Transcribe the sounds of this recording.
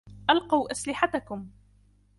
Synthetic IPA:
ʔalqɑwʔaslɪħat̪akʊm

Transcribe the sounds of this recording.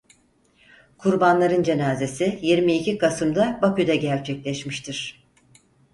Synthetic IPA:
kʰuɾbanlˠaɾɯnd͡ʒe̞naːze̞sijiɾmiːcʰikasɯmd̪abakyd̪ɛɟæɾt͡ʃʰɛclʲɛʃmiʃt̪ʰiɾ̥

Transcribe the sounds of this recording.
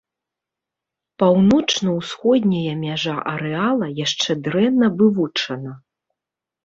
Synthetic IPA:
pawnɔt͡ʂnɐwsxɔd̪ʲnʲɐjɐmʲaʐaʔɐɾɛalˠɐjaʂt͡ʂɛd̪ɾɛnːɐvɨvut͡ʂɐnɐ

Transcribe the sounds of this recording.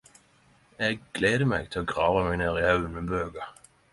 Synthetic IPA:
ɛɡ̚ɡ̥leːd̪əmɛɡ̚t̪ʰɪlɔɡʁɑːvamɛɡneːɾɪhœʉənmɪnbøːɡa

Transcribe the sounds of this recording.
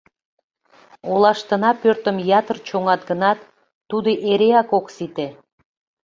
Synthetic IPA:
olɑʃt̪ənɑpørt̪ə̆mjɑt̪ərt͡ɕoŋɑt̪̚ɡənɑt̪ː | ud̪eʔeɾeɑkoksit̪e

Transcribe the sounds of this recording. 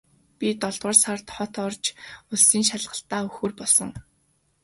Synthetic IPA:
pʲit̪ɔɮt̪ʁə̆rsart̪χɔt̪ɔrt͡ɕʊɮsiːŋʃaɮʁə̆ɬt̪aːɵxŭːrpɔɮsɞ̆ŋ

